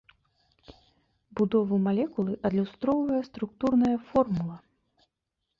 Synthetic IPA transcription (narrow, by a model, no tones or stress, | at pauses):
bud̪ɔvɐmalʲɛkulˠɨʔɐd̪lʲust̪ɾɔwvɐjɐst̪ɾukt̪urnɐjɐfɔrmulˠɐ